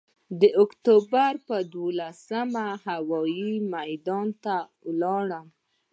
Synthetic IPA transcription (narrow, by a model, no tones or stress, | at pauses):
d̪əʊkt̪obaɾpəd̪wolasəmahawɑjimajd̪ɑnt̪a | wlɑɽəm